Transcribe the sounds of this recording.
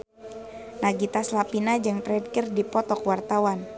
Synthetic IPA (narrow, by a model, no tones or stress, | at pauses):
naɡit̪aslapinad͡ʒɨŋp̪ɾɛdkɪrdipɔt̪ɔkwart̪awan